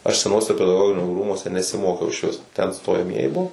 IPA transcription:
ɐʃ sʲɛˈnuɔsʲɛ pʲɛdɐˈɡoːɡʲɪnʲoː ˈruːmuɔsʲɛ nʲɛsʲɪˈmoːkʲɛʊ ɪʃʲˈʋʲɪs tʲɛn stoːjɛˈmʲiɛjɪ ˈbʊʋoː

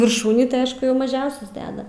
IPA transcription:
ʋʲɪrˈʃuːnʲiː tɐɪ ˈɐʃ jɛʊ mɐˈʒʲɛʊsʲɛs ˈdʲæːdɐ

